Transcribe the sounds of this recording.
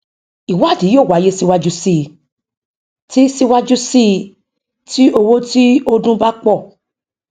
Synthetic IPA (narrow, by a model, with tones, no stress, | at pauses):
i˨wa˨˦˨dĩ˨˦joː˦˨wa˨˦je˦si˧wa˦d͡ʒu˦si˦˧ | ti˦si˦wa˦d͡ʒu˦si˦˧ | ti˦o˧wo˦ti˦o˦dũ˦ba˦k͡pɔ˦˨